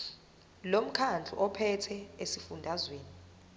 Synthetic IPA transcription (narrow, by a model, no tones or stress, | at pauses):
lom̩kʰand͡ɮʱṵʔɔpʰɛtʰɛesifundʱazweːni